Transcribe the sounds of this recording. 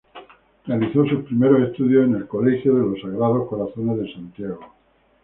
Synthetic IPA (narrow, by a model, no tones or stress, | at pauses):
realiθo̞suspɾime̞ɾo̞se̞st̪uðjo̞sene̞lko̞le̞xjoðe̞lo̞sːaɣɾað̞o̞hko̞ɾaθo̞ne̞zðe̞sant̪jaɣ̞o